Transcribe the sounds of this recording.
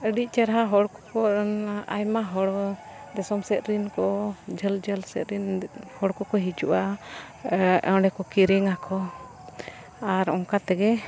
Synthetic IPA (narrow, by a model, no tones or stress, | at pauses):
əɖic̚t͡ʃɛɾɦaɦɔɽkɔ̥kɔa̰jmaɦɔɽɔ | d̪ɛsɔmsɛt̪̚ɾinkɔd͡ʒəld͡ʒəlsɛt̪̚ɾinhɔɽkɔkɔɦid͡ʒuʔa | ɛ̰wɖɛkɔkiɾiŋakʰɔ | aɾɔŋkat̪ɛɡɛ